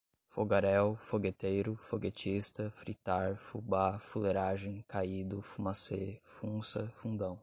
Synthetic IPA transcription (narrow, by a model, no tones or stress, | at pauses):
foɡaɾɛwfoɡet̪ejɾʊfoɡet͡ʃist̪ɐfɾit̪aɾfubafuleɾaʒẽj̃kaid̪ʊfumasefũsɐfũd̪ɐ̃w̃